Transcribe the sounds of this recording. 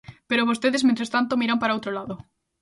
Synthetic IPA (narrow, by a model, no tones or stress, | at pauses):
peɾoβost̪eðesmẽt̪ɾest̪ant̪omiɾampaɾaowt̪ɾolaðo